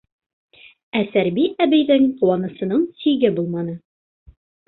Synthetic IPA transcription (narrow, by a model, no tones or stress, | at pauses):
æsæɾbiæbɘ̆jðɘŋquwɑnɤ̆sɤ̆nɤɴsiɡɘbulˠmɑnɤ